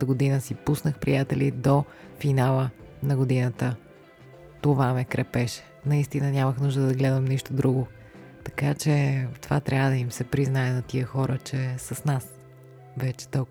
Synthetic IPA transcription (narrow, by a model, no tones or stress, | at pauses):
əɡod̪inəsipusnəxpɾijat̪ɛlid̪o | finalˠənɐɡod̪inət̪ə | t̪ovamɛkɾɛpɛʃɛ̥nɐist̪inənʲaməxnuʒd̪əd̪ɐɡlɛd̪əmniʃt̪od̪ɾuɡo | t̪ɐ̥kat͡ʃɛt̪ova̰t̪ɾʲʔavəd̪ɐimsɛpɾiznaɛnɐt̪iəxɔɾət͡ʃɛsəsnas | vɛt͡ʃɛ̥t̪ɔ